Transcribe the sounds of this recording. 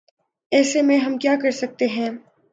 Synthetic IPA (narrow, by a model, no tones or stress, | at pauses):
ɛːsemẽɦɐmkjaːkɐɾsɐk̚t̪eɦɛ̃ː